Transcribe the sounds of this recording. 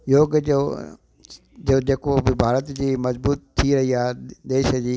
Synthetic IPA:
joːɡd͡ʑo̰ː | d͡ʑoːd͡ʑeːkobɪbʱaːɾət̪d͡ʑiːmɐzbuːt̪ʰːiɾɐɦiaːd̪eːʃd͡ʑiː

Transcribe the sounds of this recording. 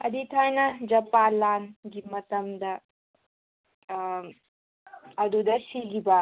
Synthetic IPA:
ɐd̪itʰajnɐd͡ʒɐpalanɡimɐt̪ɐmd̪ɐ | ɐd̪ud̪ɐsiɡiba

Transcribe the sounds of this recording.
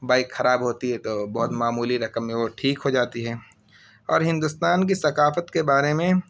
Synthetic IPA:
baːɪkxɐɾaːbɦoːt̪iɦɛt̪obɐɦʊt̪maːmuːliɾɐkəmːẽʋoʈʰiːkɦod͡ʒaːt̪iɦɛː | ɔːɾɦɪ̃nd̪ʊst̪aːnk̬isɐkaːfət̪kebaːɾemẽ

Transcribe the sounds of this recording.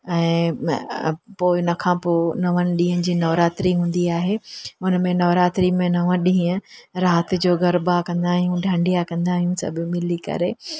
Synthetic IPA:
ɛ̃ː | poːɪnɐkʰãːpoːnɐʋənɪ̆ɗĩːɦə̃nɪ̆d͡ʑiːnɐʋɾaːt̪ɾiɦũːn̆d̪iaːɦeːʊnə̆mẽnɐʋɾaːt̪ɾimẽnɐʋə̃ɗĩːə̃ɾaːt̪ɪ̆d͡ʑoːɡɐɾbakɐ̃nd̪aːɦijũɖʱãːɳɖijakɐ̃nd̪aːɦijũsɐ̰bʱɪmɪlikɐ̰ɾe

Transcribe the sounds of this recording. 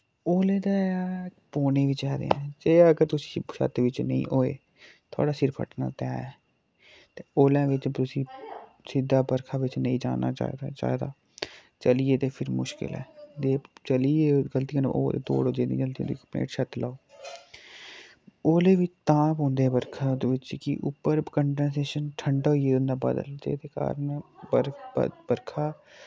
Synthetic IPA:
oːleːd̪aːpoːneːʋɪt͡ʃɛːd̪ḛːɛ̃ːd͡ʒeːəɡəɾt̪ʊsĩ̥ːʃə̰t̪ʋɪt͡ʃnəḭ̃ːʔoːḛː | t̪ʰa̰ːɽaːsɪɾpʰə̰ʈna̰ːt̪ɛːɛː | t̪eːoːlɛ̃ːʋɪt͡ʃt̪ʊsĩː | sɪd̪ːaːbəɾkʰaːʋɪt͡ʃnəĩːd͡ʒa̰ːna̰ːt͡ʃa̰ːd̪aːt͡ʃa̰ːid̪a̰ː | t͡ʃəlieːt̪eːpʰɪɾmʊʃkɪ̰lɛ̰ːd̪eːt͡ʃəlieːɡəlt̪iãn̰ʔo̰ːḛt̪o̰ːɽoːd͡ʒeːd̪ḭ̃ːɡəlt̪ijõ̰ːd̪ikəpnḛːʈʃət̪laːoː | oːlẽːʋɪt͡ʃt̪ãːpɦõːnd̪eːbəɾkʰad̪eʋɪt͡ʃkḭʔʊpːəɾkəɳɖənseːʃənʈʰəɳɖaːɦoieːõːnd̪aːbə̰d̪ə̰ld͡ʒḛːt̪eːka̰ːɾənbə̰bəɾkʰaː

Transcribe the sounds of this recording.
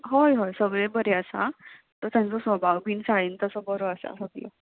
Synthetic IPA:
ɦojɦojsəɡɭebəɾeasa̰ | t̪əɾt̪jãnt͡sɔsʋəbʱawbiːnsaɭiːnt̪əsəbəɾoəsa̰səɡ̪lə̰

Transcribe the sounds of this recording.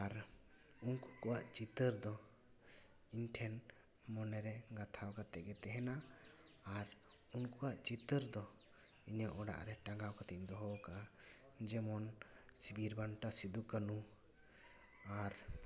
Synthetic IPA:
aɾ | unku̥kɔwaʔt͡ʃit̪əɾd̪ɔ | iɲʈʰɛn | mɔnɛɾɛɡat̪ʰawkat̪ɛɡɛt̪ɛɦɛnaː | ɾ | unkuwaʔt͡ʃit̪əɾd̪ɔ | iɲaʔɔɖa̰ʔɾɛʈaŋɡawkat̪ɛʔd̪ɔɦɔwkaʔa | d͡ʒɛmɔnsibiɾbanʈasid̪ukanu | aɾ

